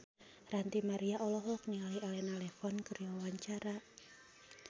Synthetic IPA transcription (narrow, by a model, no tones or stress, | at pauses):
rant̪imaɾiaʔɔlɔɦɔk̚niŋaliʔalɛnalɛfɔnkərjawawaɲt͡ʃaɾa